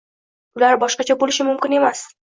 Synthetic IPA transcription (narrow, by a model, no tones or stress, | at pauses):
ʊlaɾbɒʃqɑt͡ʃʰabolɪʃɪmʊmkʲɪne̞mas